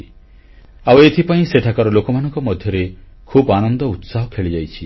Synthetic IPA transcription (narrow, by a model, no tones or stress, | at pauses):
awet̪ʰipaĩseʈʰakaɾɔlokɔmanɔŋkɔmɔd̪ʱjɔɾe | kʰubanɔnd̪ɔut̪saɦɔkʰeɭid͡ʒajt͡ʃʰi